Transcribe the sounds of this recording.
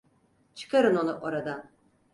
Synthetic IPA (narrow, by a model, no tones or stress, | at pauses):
t͡ʃʰɨ̥kaɾɯnonuʔoɾad̪a